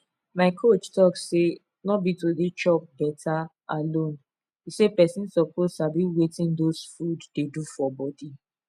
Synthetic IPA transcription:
maɪkʰot͡ʃtɔksse | nɔbitodet͡ʃɔp̚bɛtʰa | alõn | isepɛsĩnsɔpoztabiwetĩndosfuddedufɔbɔdi

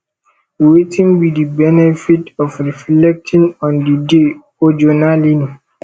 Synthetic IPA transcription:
wetʰĩnbidibɛnɛfitɔfɾiflɛk̚tʰĩnɔ̃ndide | ɔd͡ʒonalinu

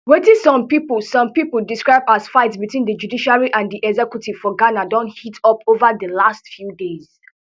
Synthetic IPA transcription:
wetĩsɔ̃mpipəlsɔ̃mpipul̩diskɹaɪbaz̥faɪtsbitwĩndəd͡ʒudiʃaɹiʔãndiʔɛɡzɛkjutʰiv̥fɔɡanadɔ̃nthitʰɔpʰovəðəlastfjudez̥

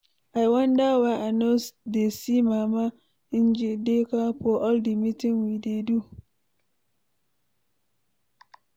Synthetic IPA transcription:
ajwãndawaʔanosdesimãːmã | n̩d͡ʒidekapʰɔʔɔldimitʰɪ̃ŋwidedu

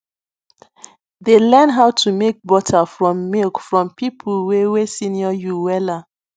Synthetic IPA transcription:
delɛnɦaʊtʰumek̚bɔtʰafɹɔ̃mːilkfɹɔ̃mpipʰlwewesĩniɔjuwɛla

